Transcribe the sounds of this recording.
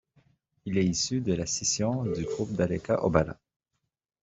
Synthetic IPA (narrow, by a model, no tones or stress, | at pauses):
ilɛisyd̪əlasesjɔ̃d̪yɡʁup̚d̪alɛkaʔɔbala̰